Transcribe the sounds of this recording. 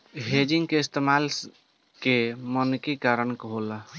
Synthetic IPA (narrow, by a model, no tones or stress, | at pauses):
ɦed͡ʒiŋɡkeist̪emal | kemənkekaɾənkɦola